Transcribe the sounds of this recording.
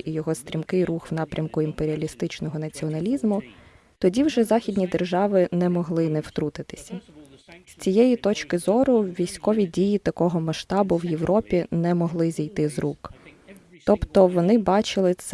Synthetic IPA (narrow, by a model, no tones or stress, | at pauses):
ijɔɦɔst̪ɾʲimkɪjruxwnɑpɾʲɐmkʊimpeɾʲiɐlʲist̪ɪt͡ʃnɔɦɔnɐt͡sʲiɔnɐlʲizmʊ | t̪ɔdʲiwʒɛzɑxʲidʲnʲid̪erʒɑʋɪnɛmɔɦlˠɪnɛwt̪ɾut̪ɪt̪ɪ̥sʲɐsʲt͡sʲijɛjit̪ɔt͡ʃkɪzɔɾʊʋʲijsʲkɔʋʲidʲijit̪ɐkɔɦɔmɐʃt̪ɑbʊwjeʋɾʔɔpʲinɛmɔɦlˠɪzʲijt̪ɪzruk | t̪ɔpt̪ɔʋɔnɪbɑt͡ʃɪlˠɪt̪s